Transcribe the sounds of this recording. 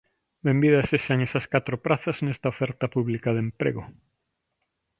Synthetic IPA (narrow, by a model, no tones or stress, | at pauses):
bembiðɐseʃaŋesɐskat̪ɾopɾaθɐznest̪ɐofɛɾt̪ɐpuβlikaðempɾḛɣʊ